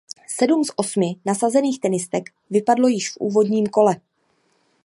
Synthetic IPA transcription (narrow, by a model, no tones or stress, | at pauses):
sɛdumsʔo̞smɪnasazɛniːxt̪ɛnɪst̪ɛk | vɪpadlo̞jɪʃfʔṵːvo̞dɲiːmko̞lɛ